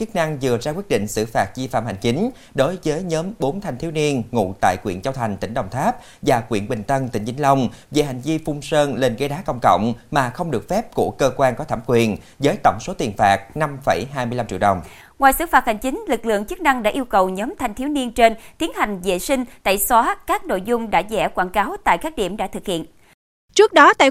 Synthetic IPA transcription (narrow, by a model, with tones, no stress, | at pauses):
t͡ɕɨ˦˥k̚na˧ŋzɨ˨˩əzaː˧kwi˦˥ət̚ɗḭ˧˨ŋ̟sɨ̰˧˩faː˨˩t̚zi˧fa̰ː˧˨mha̰˨˩ŋ̟t͡ɕi˨˦ŋ̟ | ɗo˨˦jvəː˨˦jɲəː˨˦mɓo˨˦nt̪ʰa˨˧jŋt̪ʰi˨˦wni˧ənŋṵ˧˨t̪a̰ː˧˨jkwḭ˧˨ənt͡ɕaː˧wt̪ʰa˨˩jŋ̟t̪ï˧˩ŋ̟ɗə˨˩wŋ͡mt̪ʰaː˦˥p̚ | vaː˨˩kwḭ˧˨ənɓï˨˩ŋ̟t̪ə˧nt̪ï˧˩ŋ̟t͡ɕï˨˦ŋ̟lə˧wŋ͡mve˨˩ɦa˨˩jŋ̟vi˧fʊ˧ŋ͡msəː˧nle˧˩nɣe˧˦jɗaː˨˦kə̰˧˨wŋ͡mkə̰˧˨wŋ͡mmaː˨˩xə˧wŋ͡mɗɨ˨˩ək̚fɛ˦˥p̚ku˧˩əkəː˧kwaː˧nkɔ˨˦t̪ʰaː˧˩mkwi˨˩ənzəː˨˦jt̪ə̰˧˩wŋ͡mso˨˦t̪i˨˩ənfaː˨˩k̚na˧mfə˧˩jɦaː˧jmɨ˧jla˧mt͡ɕḭ˧˨ɗə˨˩wŋ͡m | ŋwaː˨˩jsɨ̰˧˥faː˨˩t̚ha˨˩ŋ̟t͡ɕï˨˦ŋ̟lɨ˨˩k̚lɨ̰˧˨əŋt͡ɕɨ˦˥k̚na˧ŋɗa̰ː˧˥ʔi˧wkə˨˩wɲɔː˨˦mt̪ʰa˧jŋ̟t̪ʰi˨˦wni˧ənt͡ɕe˧nt̪i˨˦ənha˨˩jŋ̟zḛ˧˨sï˧ŋ̟t̪a̰ː˧˨jsɔ˨˦kaː˦˥k̚no̰˧˨jzʊ˧ŋ͡mɗa̰ː˧˥zɛ̰˧˩kwaː˧˩nkaː˨˦wt̪a̰ː˧˨jkaː˦˥k̚ɗi˧˩əmɗa̰ː˧˥t̪ʰɨ˨˩k̚hḭ˧˨ən | t͡ɕɨ˦˥k̚ɗɔ˨˦t̪a̰ː˧˨